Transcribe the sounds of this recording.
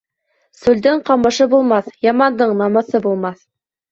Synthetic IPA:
sʉld̪ɘɴqɑmɤ̆ʃɤbulˠmɑθjɑmɑnd̪ɤɴnɑmɤ̆θɤbulˠmɑθ

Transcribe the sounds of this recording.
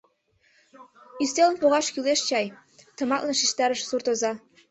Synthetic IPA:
yst̪elənpoɣɑʃkyleʃt͡ɕɑj | t̪ɤ̆mɑt̪lɤnʃiʃt̪ɑɾəʃsurt̪ozɑ

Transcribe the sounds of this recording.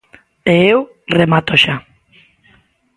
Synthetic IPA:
eew | remat̪oʃa

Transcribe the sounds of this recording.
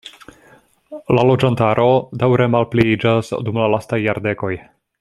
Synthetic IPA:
lalo̞d͡ʒantaɾʔo̞dawɾe̞malpliid͡ʒasdumlalastajːaɾde̞ko̞j

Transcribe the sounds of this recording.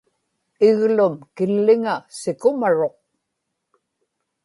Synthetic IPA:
ɪɣlʊmkɪlːɪŋasɪkʊmaɻo̞q̚

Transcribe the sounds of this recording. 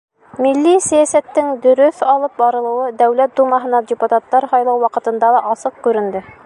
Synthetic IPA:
milːisæjæsæt̪ːɘŋd̪ɵ̆ɾɵθɑlˠɤp̚bɑɾɤ̆lˠɤ̆wɤd̪æwlæt̪̚d̪umɑɦɤ̆nɑdʲɪput̪at̪ːɑɾhɑjlˠɑwwɑqɤ̆t̪ɤ̆nd̪ɑlˠɑʔɑsɤq̚kʉɾɘ̆nd̪ɘ

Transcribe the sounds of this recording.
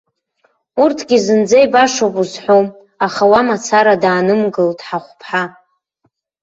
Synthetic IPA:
urtʰɡʲizɨnd͡zajbaʂopʼuzħʷom | aχawamat͡sʰaɾadaːnɨmɡɨldʰʼħaχʷpʰħa

